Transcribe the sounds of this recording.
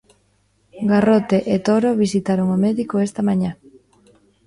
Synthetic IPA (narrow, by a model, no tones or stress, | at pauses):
ɡarot̪eʔet̪oɾoβisit̪aɾoŋomeðikoest̪amaɲa